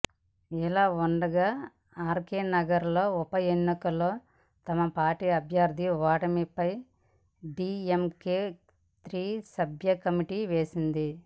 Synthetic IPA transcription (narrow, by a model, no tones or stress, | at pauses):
ilaːuɳɖɐɡaː | aːɾkeːnɐɡɐɾlo̞ːupɐjenːikɐlo̞ː | t̪ɐmɐpaːɾʈiːɐbʱjaːɾd̪ʱiʋaːʈɐmipɐj | ɖiːemkeː | t̪ɾiːsɐbʱjɐkɐmiʈiːʋeːsind̪i